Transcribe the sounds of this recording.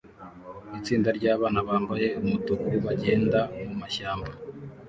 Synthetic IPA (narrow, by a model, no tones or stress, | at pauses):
it͡siːndaɾɟaːβaːnaβaːmbaje̞umutokuɾiβaɟe̞ːndamumaʃaːmba